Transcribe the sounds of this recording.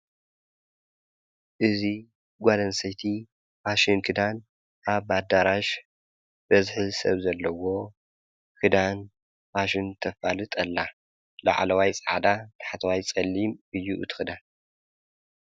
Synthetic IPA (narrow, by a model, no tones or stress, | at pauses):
ʔɨzi | ɡʷad̪ɐnsɐjt̪ʰi | paʃɨnkʰɨd̪an | ʔaβad̪aɾaʃ | b̥ɐzħɨsɐβzɐlːɐwo̞ | kʰɨd̪an | paʃɨnt̪ʰɐfalɨt̪ʼɐlːa | la̰ʕlɐwajt͡sʼɐʕa̰d̪at̪ʰḁħat̪ʰɐwajt͡sʼɐlːimɨjːuʔɨt̪ʰɨ̥xɨd̪an